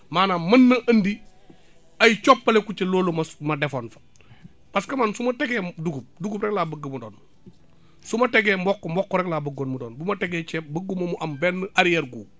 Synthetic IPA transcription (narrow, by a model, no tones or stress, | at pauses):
maːnamənːɐʔɐndi | ajit͡ʃopːalekut͡ʃeloːlomsmadefoːnfḁ | paskɐmansumɐteɡeːduɡup̚duɡupɾeklaːbəɡəmudo̰ːn | sumɐteɡeːmbokːmbokːoɾeklaːbəɡonmudo̰ːnbumateɡeːt͡ʃebəɡumomuʔambenːəʔaɾijeɾɡuː